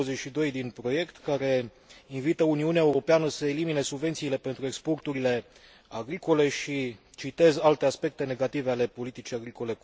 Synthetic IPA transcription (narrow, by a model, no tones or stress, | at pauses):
əzet͡ʃʃid̪o̞jd̪inpɾo̞je̞kt̪kaɾe̞ | invit̪əuniuneaeuɾo̞peanəsəe̞limine̞subvet̪siːle̞pe̞nt̪ɾuekspo̞rt̪uɾile̞ | aɡɾiko̞le̞ʃi | t͡ʃit̪e̞zalt̪e̞aspe̞k̚t̪e̞ne̞ɡat̪ive̞ale̞po̞lit̪it͡ʃijaɡɾiko̞le̞